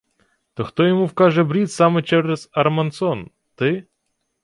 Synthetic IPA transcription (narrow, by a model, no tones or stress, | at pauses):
t̪ɔxt̪ɔjɔmuwkɑʒɛbɾʲit̪sɑmɛt͡ʃɛɾɛz̥ɐrmɐnsɔn | t̪ɪ